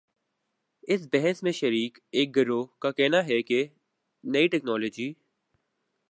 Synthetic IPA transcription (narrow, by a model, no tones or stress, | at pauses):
ɪs̬bɛɦɛsmẽʃəɾiːk | eːk̚ɡɐɾokakɛːnaɦɛke | nɐiʈɛːknɔːloːd͡ʒiː